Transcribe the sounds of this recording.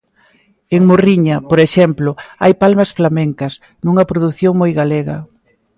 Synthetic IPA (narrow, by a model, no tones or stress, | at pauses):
eŋmoriɲɐpoɾeʃɛmplʊa̰jpalmɐsflamẽŋkɐs | nuŋɐpɾoðuθjoŋmojɣaleɣɐ̰